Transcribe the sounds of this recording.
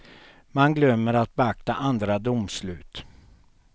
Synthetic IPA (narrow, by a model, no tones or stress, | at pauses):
manɡlœmːəɾat̪̚bɛak̚t̪aʔand̪ɾad̪ʊmslʉ̟ːt̪